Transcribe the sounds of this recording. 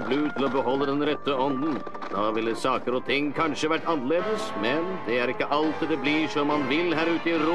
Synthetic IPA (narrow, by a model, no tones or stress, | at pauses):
blʉːt̪ʰɪlɔbəɦɔlːəd̪ɛnɾɛt̪ːəɔnd̪n̩ | d̪ɑːʋɪlːəsɑːkəɾɔt̪ʰɪŋːkʰɑnʂəʋæʈːɑnːəleːd̪əsmɛnd̪ɛæɾɪkːəʔɑlt̪d̪ɛbliʂɔmːɑnʋɪlːɦæːɾʉːt̪əɪɾ